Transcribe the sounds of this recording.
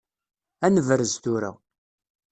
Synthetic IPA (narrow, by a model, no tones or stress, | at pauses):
ænəvɾəzθuɾæ̰